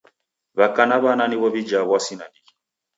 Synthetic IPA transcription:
βakanaβananiβɔβid͡ʒaβwasina̰ni

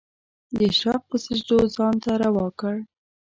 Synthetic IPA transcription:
d̪əʃɑq̚pəsɪʒd̪ozɑnt̪aɾawɑkəɽ

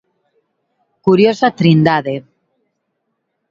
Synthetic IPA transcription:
kuɾjosat̪ɾind̪aðe

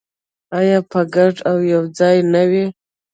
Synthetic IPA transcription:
ajɑpəɡaʈawjawd͡zɑjnawi

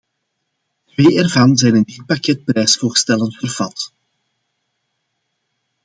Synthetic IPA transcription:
tweːʔɛrvɑnzɛjnɪndɪt̚pakɛt̚pɾɛjsfoːrstɛləntfərv̥ɑt

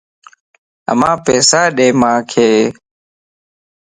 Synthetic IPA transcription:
ə̰mãːpeːsaːɗeːmãːkʰeː

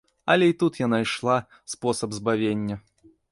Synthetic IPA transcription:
ɐ̰lʲɛit̪ut̪janajʂlˠa | spɔsɐbzbavʲenʲːɐ

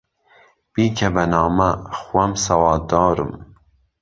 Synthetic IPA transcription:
b̥iːkʰɛbɐnɑːmɐxwɛmsɐwɑːld̪ɑːɾɨ̰m

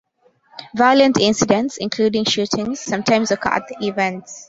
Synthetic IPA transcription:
vaɪlə̃ntʰɪ̃nsɪdə̃ntsɪ̃nkʰluːdɪ̃ŋʃuːtʰɪ̃ŋz̥ːʌ̃mtʰãɪ̃mzɔkʰa̰t̪ivɛ̃nts

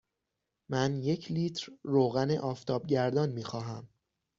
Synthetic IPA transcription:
mænje̞cʰliːt̪ʰɾːoːɣænḛʔɒːft̪ʰɒːb̚ɟæɾd̪ɒːnmiːxɒːɦæm

